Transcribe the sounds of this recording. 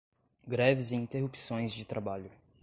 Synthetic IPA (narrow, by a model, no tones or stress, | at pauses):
ɡɾɛvɪziĩnt̪ehupsõj̃zd͡ʒɪt̪ɾʔabaʎʊ